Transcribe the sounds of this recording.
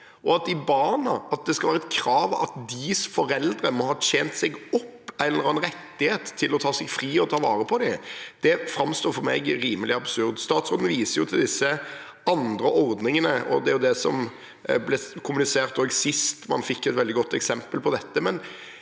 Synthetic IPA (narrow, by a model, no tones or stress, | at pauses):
ʔɔɑt̪ɪbɑnɑɑt̪̚d̪ɛskɑlʋæːɾəɛt̪̚kʰɾɑːʋɑ̰t̪d̪ɪsfɔɾɛld̪ɾəmɔhɑːt̪ʰeːnt̪sɛɡɔpːɛlːəɾɑɛnɾɛt̪ːɪheːt̪ʰːɪlɔt̪ʰɑːsɛɡfɾiːɔt̪ʰɑːʋɑːɾəpʰɔd̪ɪd̪̥ɛfɾɑmst̪oːɾfɔɾmɛ̰ɡɾiːməlɪɑbsʉʁd̪st̪ɑːt̪sʁoːd̪nəʋiːsəɾjʊt̪ʰɪld̪ɪsːə | ɑnd̪ɾəʔɔɾd̪nɪŋənəɔ̰d̪ɛæɾjʊd̪ɛsɔm | blɛkʰʊmʉnɪseːʁt̪oːɡsɪst̪mɑ̰nfɪkːɛt̪ʋɛld̪ɪɡɔt̪ːɛksɛmpəlpʰɔd̪ɛt̪ːəmɛn